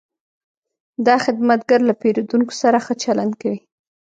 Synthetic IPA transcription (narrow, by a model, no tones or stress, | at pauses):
d̪ɑxɪd̪mat̪̚ɡaɾlapeɾod̪uŋko̥saɾaxət͡ʃaland̪kawi